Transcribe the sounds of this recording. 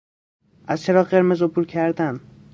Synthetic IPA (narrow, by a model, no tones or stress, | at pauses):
ʔæzt͡ʃʰe̞ɾɒːɢe̞ɾmezopʰuːɾcʰæɾd̪æn